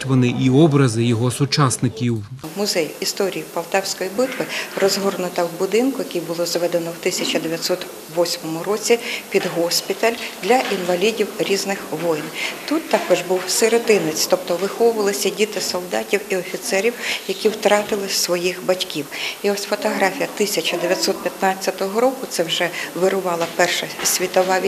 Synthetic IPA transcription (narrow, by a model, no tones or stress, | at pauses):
tʲʋɔnɪʔiɔbɾɐzɪjɔɦɔsʊt͡ʃɑsnɪkʲiwmʊzɛjist̪ɔɾʲijipɐlˠt̪ɛwsʲkɔjibɪt̪ʋɪrɔzɦɔrnʊt̪ɐwbʊd̪ɪnkʊjɐkʲijbʊlˠɔzʋɛd̪enɔwt̪ɪsʲɐt͡ʃɐd̪eʋʲjɐt̪sɔt̪ | ʋɔsʲmɔmʊrɔt͡sʲipʲid̪ɦɔsʲpʲit̪ɐlʲd̪lʲɐʔinʋɐlʲidʲiwɾʲiznɪxʋɔjnt̪ut̪ːɑkɔʒbuwseɾet̪ɪnɪt͡sʲt̪ɔp̚t̪ɔʋɪxɔʋʊʋɐlˠɪsʲɐdʲit̪ɪsɔlˠd̪ɑtʲiwiɔfʲit̪sɛɾʲiwjɐkʲiwt̪ɾɑt̪ɪlˠɪsʋɔjixbɐtʲkʲiwiɔsʲfɔt̪ɔɦɾɑfʲijɐt̪ɪsʲɐt͡ʃɐd̪eʋʲjɐt̪sɔt̪̚pʲjɐt̪nɑt͡sʲːɐt̪ɔɦɔɾɔkʊt̪sɛwʒɛʋɪɾʊʋɑlˠɐpɛrʃɐsʲʋʲit̪ɔʋɑʋʲ